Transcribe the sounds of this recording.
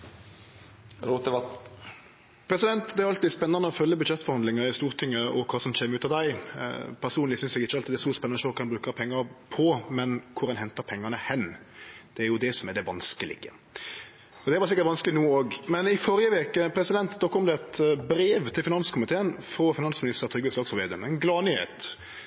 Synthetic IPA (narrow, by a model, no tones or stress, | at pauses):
ɾot̪ə | pʰɾɛsɪd̪ɛnt̪d̪ɛæɾɑlt̪ːɪspɛnːɑnəɔfœlːjəbʉd̪ʃɛt̪ːfɔɾhɑnd̪lɪŋəɾɪst̪uːɾt̪ʰɪŋːəɔkʰɑːsɔmc͡çeːməʉːt̪ɑʋd̪æɪ̰pʰæʁsuːnlɪsʏnsɛɡɪçːəɑlt̪ʰid̪ɛst̪uːspɛnːɑnəʃøːlkːʁɛnbɾʉːkəɾpʰɛŋːɑɾpʰɔmɛnkʰʊɾɑnhɛnt̪əɾpʰɛŋːɑnəhɛnː | d̪̥ɛæɾjʊd̪ɛsɔmɛd̪ɛʋɑnskəlɪ̰ɡə̰ | ɔd̪ɛʋɑɾs̬ɪkːəɾt̪ʋɑnskəlɪnuːoːɡmɛnɪfɔɾjəʋeːkəpʰɾɛsɪd̪ɛnt̪d̪okʰɔmd̪ɛt̪bɾeːʋt̪ʰɪlfɪnɑnskʊmɪt̪ʰeːənfɾɔfɪnɑnsmɪnɪst̪əɾt̪ʰʏɡɛslɑːksɔʋeːd̪ənmɛnɡlɑːnɪhḛːt̪